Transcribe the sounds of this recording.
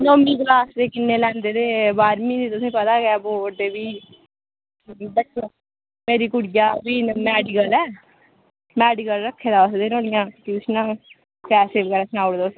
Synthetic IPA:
nomĩːklaːsd̪eːkɪnːeːlɛ̃ːnd̪eːd̪eːbaːɾmĩːiːt̪ʊsĩːpət̪aːɡɛːboːʈd̪eːbiː | bəʈʰː | meːɾiːkʊɽɪjaːbiːmɛːɖɪkəlɛː | mɛːɖikəlɾəkʰːeːd̪aːʊsd̪eːnoːɽɪjãːkiʊsnãː | pɛːsɪʋkəɾɛːsnaːʊɽd̪as

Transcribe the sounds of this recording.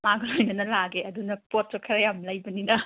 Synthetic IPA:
maɡɐlojnɐnɐlaɡeɐdunɐpot̚ɾɐkʰɐɾɐjamlɐjbɐninɐ

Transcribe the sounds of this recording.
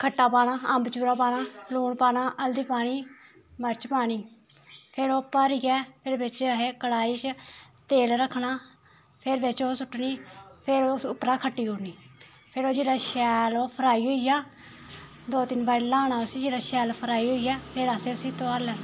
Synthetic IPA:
kʰəʈːaːpaːnaːəmbt͡ʃuːɾaːpaːɽaːpluːɳpaːnaːʔəld̪iːpaːɽ̃iː | məɾt͡ʃpaːɽ̃iː | pʰɪɾoːpəɾiːɡɛːpʰɪɾbɪt͡ʃɦeːkəɽaːiːt͡ʃ | t̪eːlɾəkʰːɳaː | pʰɪɾʋɪt͡ʃoːsʊʈːɳiːpʰɪɾoːsʊpːɾaːkʰəʈːiːɦoːniː | pʰɪɾoːd͡ʒiːɽaːʃɛːloːpʰəɾaːiːɦoːiːjaː | d̪oːt̪ɪnbaːɾlaːnaːʊsiːd͡ʒeːɽaːʃɛːlpʰəɾaːiːɦoːiːɛːpʰɪɾəseːʊsiːt̪oaːlɛ

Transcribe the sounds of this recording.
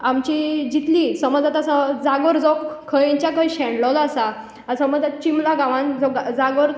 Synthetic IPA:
amt͡ɕid͡ʑit̪lisəməd͡zat̪asad͡zaɡəɾd͡zɔkkʰːəjẽɲt͡ɕjakəjɕɛ̃ɳɖlɔlasa | əsaməd͡zat͡ɕimlaɡaʋãnd͡zɔkd͡zaɡəɾ

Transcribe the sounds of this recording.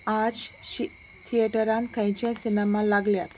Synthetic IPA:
ad͡ʑɕi | t̪ʰieʈəɾãnkãjt͡ɕãsinɛmalaɡljat̪

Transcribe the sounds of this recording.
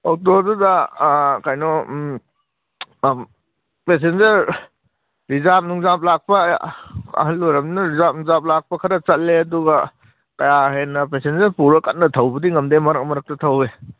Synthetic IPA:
ok̚todudɐkajnɔ | pesenzɐɾ | ɾizap̚nuŋzap̬̚lak̚pɐ | ɐ̰ɦɐlːuɾɐmnɐɾizap̚nuŋzap̚lak̚pɐkʰɐɾɐt͡ʃɐt̚leɐduɡɐ | kɐjahenːɐpesenzɐɾpuɾɐkɐt̚nɐtʰɐwbɐdiŋɐmdemɐɾɐk̚mɐɾɐk̚tɐtʰɐwe

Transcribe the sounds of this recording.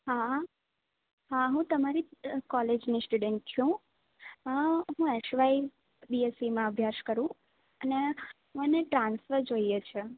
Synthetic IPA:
ɦa | ɦaɦũt̪əmaɾikɔled͡ʒnisʈuɖeɳʈ̚t͡ʃʰũ | ɦũeʃʋai | biesimãəbʱjaʃkəɾũ | əneɦũeneʈɾãnsffəɾd͡ʒoiet͡ʃʰe

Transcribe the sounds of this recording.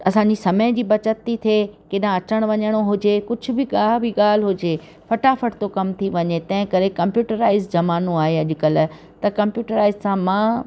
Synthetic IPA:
ɐsãːɲd͡ʑisɐməj̃d͡ʑiːbɐt͡ɕət̪ːit̪ʰekeɗãɐt͡ɕəɽ̃ʋɐɲəɽ̃oɦʊd͡ʑekʊd͡ʑʱʊ̆bɪɠaːɦbiɠaːl̤ɦʊd͡ʑe | fɐʈafəʈt̪okɐmt̪ʰiʋɐɲet̪ɐ̃ɦɪ̃kɐɾekɐ̃mpjuːʈəɾaːɪzd͡ʑɐmaːnõaːɦeɐʄʊkəl | t̪ɐkɐ̃mpjuːʈəɾaːɪzsãmãː

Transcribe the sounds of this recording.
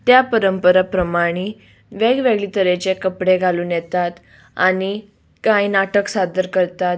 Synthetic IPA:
t̪japəɾəmpəɾapɾəmaɽ̃i | ʋeɡʋeɡɭiːt̪əɾet͡ɕekəpɽeɡʱaluːnjɛt̪at̪ | a̰ɽi | kãjnaʈəksad̪əɾkəɾt̪at̪

